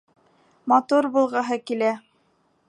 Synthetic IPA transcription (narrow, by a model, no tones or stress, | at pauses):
mɑt̪uɾbulˠʁɑɦɤkilæ